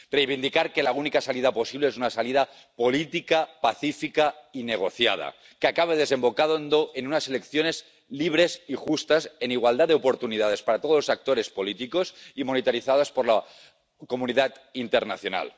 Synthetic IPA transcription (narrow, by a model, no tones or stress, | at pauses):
rejβind̪ikaɾke̞launikasaliðapo̞siβleesunasaliða | po̞lit̪ikapaθifikaine̞ɣ̞o̞θja̰ð̞a̰ | keakaβ̞eð̞e̞se̞mbo̞kaðond̪oʔenunaselekθjo̞ne̞z | liβ̞ɾe̞sixust̪ase̞niɣ̞wald̪ad̪eopo̞ɾt̪unið̞að̞e̞spaɾat̪o̞ð̞losak̚t̪o̞ɾe̞spo̞lit̪iko̞simo̞nit̪aɾiθað̞aspoɾla | ko̞muniðat̪ | int̪eɾna̰θjo̞na̰l